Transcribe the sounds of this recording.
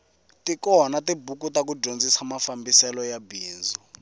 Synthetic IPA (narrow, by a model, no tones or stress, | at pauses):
tikɔnatibukutakud͡ʒond͡zisamafambisɛlɔjabiːzu